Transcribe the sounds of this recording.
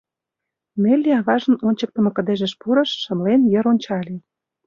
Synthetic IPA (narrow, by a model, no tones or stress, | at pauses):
melʲːeɑβɑʒə̆nonʲt͡ɕə̆k̚t̪ə̆mɤ̆kə̆d̪eʒə̆ʃpuɾɤ̆ʃːə̆mlenjĕɾonʲt͡ɕɑlʲe